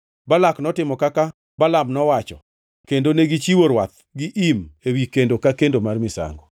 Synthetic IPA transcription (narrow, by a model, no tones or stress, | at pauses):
balaknɔtɪmɔkaka | balamnɔwat͡ʃɔ | kendoneɡit͡ʃiwoɾwat̪̚ | ɡɪʔimewikendokakendomarmɪsa̰ŋɡɔ